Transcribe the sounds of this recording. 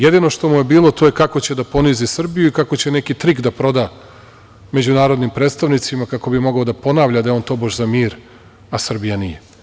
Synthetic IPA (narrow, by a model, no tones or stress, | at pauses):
jed̪ino̞ʃt̪o̞muje̞biːlˠo̞t̪o̞jekako̞t͡ɕe̞d̪apo̞nizisr̩bijuikako̞t͡ɕe̞nekit̪ɾikd̪apɾo̞d̪a | me̞d͡ʑunaːɾo̞d̪nimpɾeːt̪st̪aʋnit̪simakako̞bimo̞ɡaod̪apo̞naʋʎad̪ajeo̞ːnt̪o̞baʒzamiːɾ | asr̩bijanije